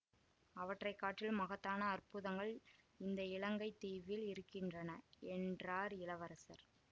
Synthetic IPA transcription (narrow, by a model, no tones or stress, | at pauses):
ɐʋɐʈrɐɪkːaːʈːɪlmɐɣɐt̪ːaːnɐːrpʊðɐŋɡɐɭ | ɪnd̪ɐɪɭɐŋɡɐɪt̪ːiːʋɪlɪɾɯkːɪndrɐnɐɛndraːɾɪlɐʋɐɾɐsɐɾ